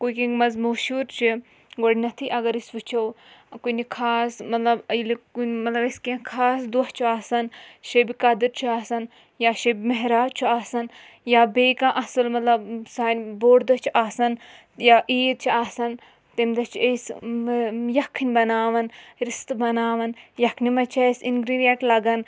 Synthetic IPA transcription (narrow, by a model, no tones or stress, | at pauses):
kujkẽŋɡmɐzmoːʃuːɾt͡ʃʰi | ɡoɽnɐt̪ʰiʔɐɡɐɾisʋut͡ʃʰɐw | kunikʰaːsmɐt̪lɐbilikunmɐt̪lɐbɐskẽkʰaːsd̪uht͡ʃʰuaːsɐnʃebikɐd̪ɨɾt͡ʃʰuaːsɐn | jaːʃebmɐɦɾaːt͡ʃʰuaːsɐn | jaːbeːkãːʔɐsɨlmɐt̪lɐbsaːnʲboːɽd̪ɐt͡ʃʰuʔaːsɐn | jaːʔiːɾ̚t͡ʃʰiaːsɐn | t̪emd̪ɐt͡ʃʰes | jɐkʰːnʲbɐnaːʋɐnɾist̪bɐnaːʋɐnjɐkʰnimɐt͡ʃʰɐsinɡɾiɖijeʈlɐɡɐn